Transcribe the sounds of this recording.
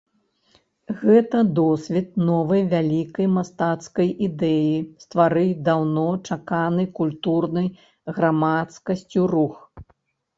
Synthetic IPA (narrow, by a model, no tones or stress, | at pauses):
ɣɛt̪ɐd̪ɔsʲvʲit̪̚nɔvɐjvʲalʲikɐjmast̪at̪skɐjʔid̪ɛjist̪vaɾɨjd̪awnɔt͡ʂakanɨjkulʲt̪urnɐj | ɣɾamat̪skɐsʲt͡sʲurux